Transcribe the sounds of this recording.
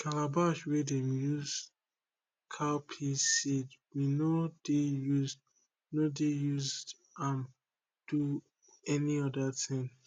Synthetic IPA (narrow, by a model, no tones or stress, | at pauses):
kʰalabaʃwɛdɛmjuz | kʰapʰisɛdwinodejuz | nodejuzd | ãn | d̥u | ɛniɔdatʰɪ̃ŋ